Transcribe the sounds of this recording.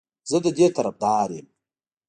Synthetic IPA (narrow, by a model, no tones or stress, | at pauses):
zɨdadʲetʰaɾap̚daːɾem